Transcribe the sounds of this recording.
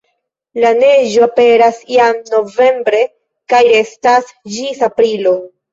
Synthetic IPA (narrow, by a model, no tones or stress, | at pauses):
lane̞ʒo̞ape̞ɾasjamno̞ve̞mbɾe̞ | kajɾe̞stasd͡ʒisapɾilo